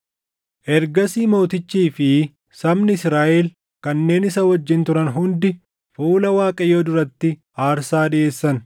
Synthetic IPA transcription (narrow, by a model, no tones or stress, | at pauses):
ʔɛɾɡɐsiːmo̞ːt̪ɪt͡ʃːiːfɪ | sɐmnɪsɾaːʔɛl | kɐnːe̞ːnɪsɐwɐd͡ʒːɪnt̪ʊɾɐnɦʊnd̪ɪ | fuːlɐwaːkʼɐjoːd̪ʊɾɐt̪ːɪ | aːɾsaːɗɪe̞ːsːɐn